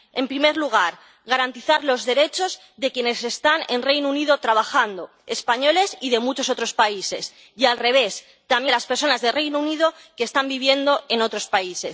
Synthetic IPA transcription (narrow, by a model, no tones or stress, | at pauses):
e̞mpɾime̞ɾluɣ̞aɾ | ɣaɾant̪iθaɾlo̞zðe̞ɾe̞t͡ʃo̞z | ðe̞kje̞ne̞se̞st̪anenre̞jnouniðo̞t̪ɾaβ̞axand̪o̞ | e̞spaɲo̞le̞siðe̞mut͡ʃo̞so̞t̪ɾo̞spaise̞̰s | ialre̞β̞e̞s | t̪amjelaspe̞ɾso̞nazðe̞re̞jnouniðo̞keːst̪ambiβ̞je̞nd̪o̞ʔe̞no̞t̪ɾo̞spaise̞s